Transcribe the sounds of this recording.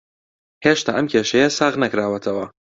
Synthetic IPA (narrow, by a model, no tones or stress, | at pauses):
heʃt̪a̰ːʔɐmkʲʰeːʃɐjɐsaːɣnɐkɾaːwɐt̪ʰɐwɐ